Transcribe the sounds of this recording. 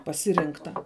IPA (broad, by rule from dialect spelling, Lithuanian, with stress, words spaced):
pɐˈsʲɪrʲɪŋktɐ